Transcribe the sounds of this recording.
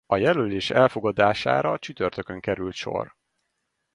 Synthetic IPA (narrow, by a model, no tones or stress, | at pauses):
ɒjɛløːleːʃɛlfo̞ɡɒd̪aːʃa̰ːɾɒt͡ʃyt̪ørt̪ø̞køŋkɛɾylt̪ʃo̞̰r